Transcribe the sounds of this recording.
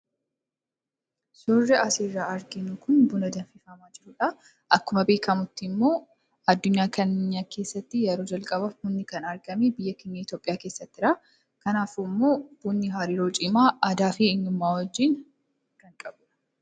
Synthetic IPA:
sɔrːɛʔɐsiːrːaːɐɾɡɪnukʊnbʊnɐd̪ɐnfɪfɐmaːd͡ʒɪɾʊːᶑɐ | ʔɐkːʊmɐbe̞ːkɐmʊt̪ːɪmːo̞ː | ɐd̪ːʊɲːaːkʰɐnːɪɲːaːkʰe̞ːsːɐt̪ːɪjɐɾoːd͡ʒɐlkʼɐbɐhʊnːɪkɐnɐɾɡɐmeːbɪjːɐkeɲːɐɪt̪joːpʼɪjaːke̞ːsːɐt̪ːɪɾɐ | kɐnaːfɪmːo̞ːb̥uːnːɪɦaːɾiːɾoːt͡ʃʼɪmaːʔɐd̪aːfiɪnːʊmːaːwɔd͡ʒːiːn | ɡ̥ɐŋkʼɐbʊᶑɐ̥

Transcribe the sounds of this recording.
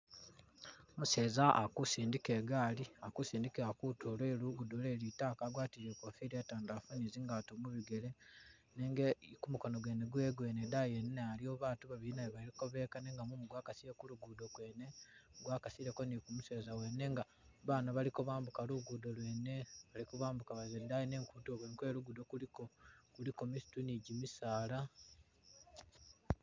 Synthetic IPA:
muse̞ːzaʔakusiːndikeːɡaːliakusiːndikiakutolwe̞ːluɡudole̞ːlitakaɡwaːtiɾekofiɾiataːndaːfuniziŋɡatomuβiɡe̞le̞ | neŋɡekumuko̞noɡwe̞ːne̞ɡwe̞ːɡwe̞ːnedajenːealioβaːtuβaβiinajeβaliko̞βe̞ːkaneŋɡamumuɡwaːkasiɾekuluɡudo̞kwe̞ːne̞ɡwaːkasiɾekonikumuseːzawe̞nːe̞ŋɡa | βaːnoβalikoβaːmbukaluɡudolwe̞ːne̞βalikoβaːmbukaβazendajine̞ːŋkutoβenkwe̞ːɾuɡudo̞kulikokulikomisi̥tuniɟimisaːla

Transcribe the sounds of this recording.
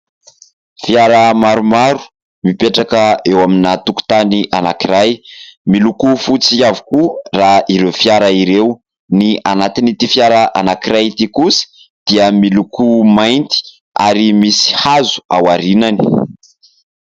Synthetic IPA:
fjaɾəmaɾumaɾu̥ | mipeʈ͡ʂakəewaminat̪uku̥t̪aniʔanakiɾajmilukufut͡siavu̥kuraiɾewfjaɾəiɾew | nianat̪init̪ifjaɾaʔa̰nakiɾajt̪ikusi̥ | d̪̥iəmilukumajnt̪i̥ | a̰ɾimisi̥hazu̥a̰waɾinani̥

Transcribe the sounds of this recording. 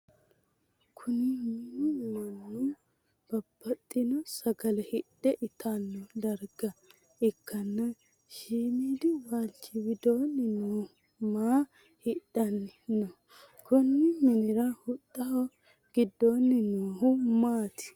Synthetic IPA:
kʰʊnɪmɪnːʊmɐnːu | b̥ɐb̥ːɐt̪ʼːɪnɔsɐɡɐlɛhɪɗɛʔɪt̪ʰanːɔd̪ɐɾɡɐ | ɪkːɐnːɐ | ʃiːmiːd̪ɪwaːlt͡ʃːɪwɪd̪oːnːɪnuːh | maː | hɪɗɐnːɪnɔ | kʰʊnːɪmɪnɪɾɐhʊt̪ʼːɐhɔ | ɡ̥ɪd̪ːoːnːɪnuːhʊmaːt̪ɪ̥

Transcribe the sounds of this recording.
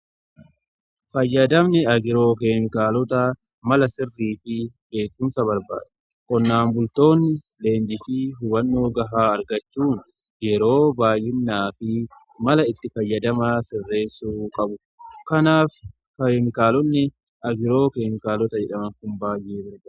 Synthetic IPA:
fɐjːɐd̪ɐmnɛɐɡɪɾo̞ːkeːmɪkaːlɔt̪ɐ | mɐlɐsɪrːiːfɪbe̞ːkːʊmsɐbɐɾba̰ːᶑɛ | kʼɔnːaːmbʊlt̪o̞ːnːɪ | le̞ːnd͡ʒ̪ɪfɪɦʊbɐnːo̞ːɡɐɦaːɐɾɡɐt͡ʃːuːn | jɛɾo̞ːbaːjːɪnːaːfɪ | mɐlɐɪt̪ːɪfɐjːɐd̪ɐmasɪrːe̞ːsːuːkʼɐbʊ | kɐnaːf | kɐmɪkaːlɔnːɛ | ɐɡɪɾo̞ːkeːmɪkaːlɔt̪ɐd͡ʒɛᶑɐmɐŋkʊmbaːjːeːbɐɾbɐ

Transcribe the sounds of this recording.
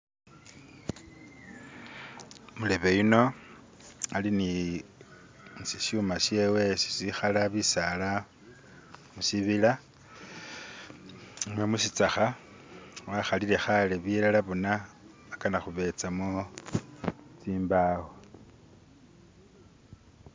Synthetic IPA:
mule̞βe̞jino̞ | alini | nsisumasje̞ːwe̞si̥sixalaβisala | musiβila | mwemusit͡saxa | waxalile̞xaleβilalaβona | akanaxuβe̞t͡samo | t͡siːmbaho

